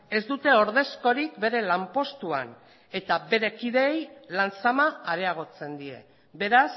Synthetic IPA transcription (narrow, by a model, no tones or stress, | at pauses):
e̞zd̪ut̪e̞o̞ɾð̞e̞sko̞ɾikbe̞ɾe̞lampo̞st̪ua̰n | e̞t̪abe̞ɾe̞kiðe̞jlant͡samaːɾe̞aɣ̞o̞t͡se̞nd̪ie̞̰ | be̞ɾas